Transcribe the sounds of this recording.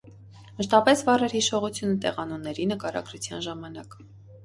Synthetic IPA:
məʃt̪ɑpɛsvɑrɛɾhiʃɔʁut͡sʰjunət̪ɛ̰ʁɑnunːɛɾinəkɑɾɑ̰ɡɾut͡sʰjɑ̰nʒɑmɑn̪ɑk

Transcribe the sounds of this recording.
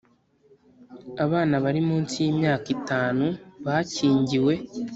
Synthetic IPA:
aβaːnaβaɾimuːnsijiːmɲaːkitaːnuβaciːɲɟiwe̞

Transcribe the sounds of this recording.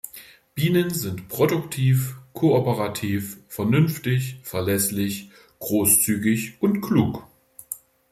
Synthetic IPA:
b̥iːnənzɪntpʁ̥odʊktʰiːfkʰoopəʁatʰiːffɛɐnʏnftɪçfɛɐlɛslɪç | ɡ̥ʁoːst͡syːɡɪçʔʊntkʰluːk

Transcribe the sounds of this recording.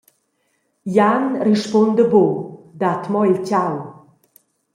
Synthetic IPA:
janriʃpɔnd̪əbod̪at̪mɔjlcaw

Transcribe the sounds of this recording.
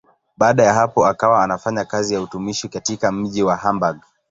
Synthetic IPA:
ɓaːɗajaɦapɔakawaːnafaɲakazijautumiʃikatikam̩ʄiwaɦambaɡ

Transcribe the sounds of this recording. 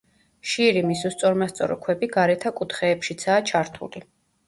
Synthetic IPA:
ʃiɾimisust̪sʼɔɾmast̪sʼɔ̰ɾɔ̰kʰwɛbiɡaɾɛt̪ʰakʼut̪ʰχɛːpʃit̪sʰaːt͡ʃʰaɾt̪ʰṵli

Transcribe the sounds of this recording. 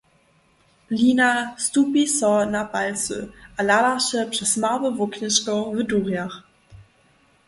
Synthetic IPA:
linastupisɔnapalt͡sə̰ʔalaɾaɕɛpʂɛsmavəvoknɪɕkɔvəduːʁjaχ

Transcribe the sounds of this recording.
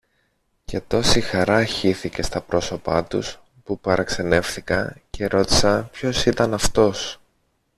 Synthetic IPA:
ce̞t̪o̞sixɐɾɐçiθice̞st̪ɐpɾo̞so̞pɐ̰t̪ṵs | pupɐɾɐkse̞ne̞fθikɐ̰ce̞ɾo̞t̪i̥sɐpço̞sit̪ɐnɐft̪o̞s

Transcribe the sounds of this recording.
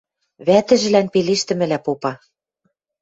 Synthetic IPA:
βæt̪ɘ̆ʒɘ̆lænpeleʃt̪ɘ̆mɘ̆læpopɑ

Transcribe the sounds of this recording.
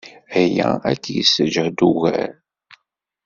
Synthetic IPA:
æjæ̰ækːjisəd͡ʒəhd̪uɣæɾ

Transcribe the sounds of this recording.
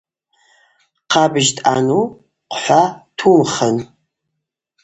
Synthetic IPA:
qɑːbɨʒtʼa̰nuː | qʷʊħʷaːtʰuːmχən

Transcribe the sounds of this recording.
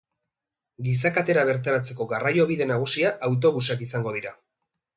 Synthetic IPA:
ɡis̬akat̪e̞ɾaβ̞e̞ɾt̪aɾat͡se̞ko̞ɣarajo̞β̞iðe̞naɣ̞usiaʔawt̪̬o̞βusakisaŋɡo̞ð̞iɾa

